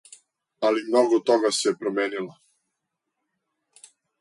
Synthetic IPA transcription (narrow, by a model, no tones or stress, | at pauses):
alimnoɡɔt̪oɡasɛɛpɾomeːnila